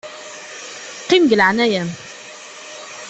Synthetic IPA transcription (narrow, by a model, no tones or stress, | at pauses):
qimɡəlʕanæjæm